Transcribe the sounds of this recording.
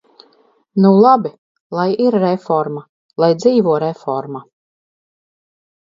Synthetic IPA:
nulˠabi | lˠajiɾːɛfɔɾma | lˠajd̪ziːvuɔɾɛfɔɾma

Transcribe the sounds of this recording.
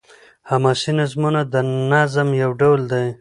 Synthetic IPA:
hamasinazmunad̪ənazamjawɖawld̪aj

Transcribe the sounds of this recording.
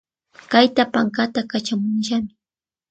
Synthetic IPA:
kajt̪apaŋkat̪akat͡ʃamʊnʃamɪ

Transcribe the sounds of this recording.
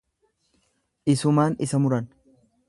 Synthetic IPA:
ʔɪsʊmaːnɪsɐmʊɾɐn

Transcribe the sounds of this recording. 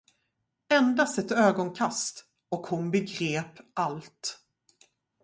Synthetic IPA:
ɛnd̪ast̪ɛt̪øːɡɔnkʰast̪ | ɔkhʊnbɛɡɾeːpalt̪

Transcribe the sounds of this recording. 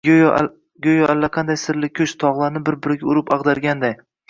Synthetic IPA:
ɡʲojɒʔalːaqʰɑnd̪ajsɪɾlɪkʲʰɵʃt̪ʰɒʁlˠaɾnɪbɪɾbɪɾɪɡʲaʊɾɪpɑʁd̪aɾɡʲand̪aj

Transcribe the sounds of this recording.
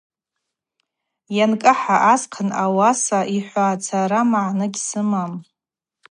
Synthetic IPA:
jankʼɨħaʔasqʰanawasaʔiħʷaːt͡sʰaɾamaʕnɨɡʲsɨmam

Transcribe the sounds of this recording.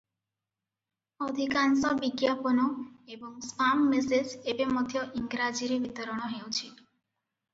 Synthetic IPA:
ɔd̪ʱikansɔbiɡjapɔnɔebɔŋskamːisesebemɔt̪ʰjɔʔiŋɡɾad͡ʒiɾeʋit̪əɾɔɽ̃ɔɦewt͡ʃʰi

